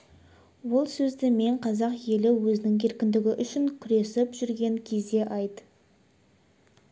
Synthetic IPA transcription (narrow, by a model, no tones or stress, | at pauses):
wo̞lˠsɵzd̪ɪme̞ɴqʰɑzɑqje̞lɪwɵzɪnɪŋʲʰe̞ɾkʲɪnd̪ɪɡʲɪʔʏʃɪŋkʲʰʏɾe̞sɪpʒ̥ʏɾɡʲe̞ŋkʲʰe̞zd̪e̞ʔɑjt̪